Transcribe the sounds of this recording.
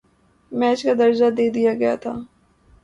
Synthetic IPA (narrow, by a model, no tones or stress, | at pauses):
mɛːt͡ʃkad̪ɐɾd͡ʒad̪eːd̪ijaɡɐja̰t̪ʰaː